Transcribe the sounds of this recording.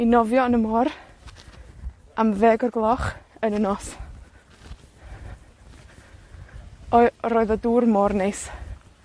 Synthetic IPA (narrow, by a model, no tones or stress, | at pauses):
inɔvjɔnəmɔr | amvɛɡɔrɡlˠɔχənənɔs | ɔɾoːɨðɔduːrmɔrnejs